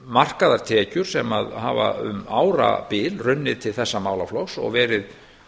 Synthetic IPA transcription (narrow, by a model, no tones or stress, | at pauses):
mar̥kaðaɾ̥t̪ʰɛcʏɾ̥sɛmaðha̰ːva̰ʏ̰maːwɾa̰pɪːlrʏnːɪðt̪ʰɪlθɛsːamaːwlaflowsɔ̰ɣvɛːɾɪð